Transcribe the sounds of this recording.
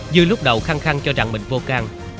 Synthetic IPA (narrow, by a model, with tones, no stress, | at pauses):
zɨ˧jlʊ˦˥k͡p̚ɗə˨˩wxaː˧ŋxa˧ŋt͡ɕɔ˧za̰˧˨˦ŋmḭ˧˨ŋ̟vo˧kaː˧ŋ